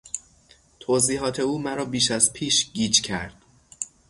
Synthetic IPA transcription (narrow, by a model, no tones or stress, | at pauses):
t̪ʰoːziːɦɒːt̪ʰe̞uːmæɾɒːbiːʃæzpʰiːʃɟiːd͡ʒcʰæ̰ɾd̪̥